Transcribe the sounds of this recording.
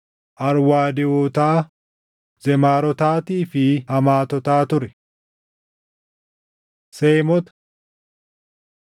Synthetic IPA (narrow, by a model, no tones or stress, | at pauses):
ʔɐɾwaːd̪ɪoːt̪aː | zɛmaːɾɔt̪aːt̪iːfɪhɐmaːt̪ɔt̪aːt̪ʊɾɛ | seːmɔt̪ɐ̥